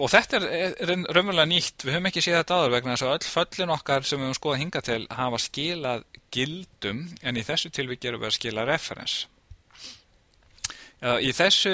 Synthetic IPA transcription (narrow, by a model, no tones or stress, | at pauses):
ɔθɛht̪ɛɾrœmʏɾlɛniht̪vɪðhœːvʏmɛhcɪsjɛːðθɛt̪aːðaɾvɛknaðɛs̬aœt̪l̥fœt̪lɪnɔhkaɾ̥sɛmvɪhœːmskɔːðaðhiŋkat̪ʰɪlhavascɪːlaðcɪlt̪ʏmɛniθɛsːʏt̪ʰɪlvɪcɛːɾʏvɛ̰ðascɪːlaðrɛfɛ̰ɾɛ̰ns | iθɛsːʏ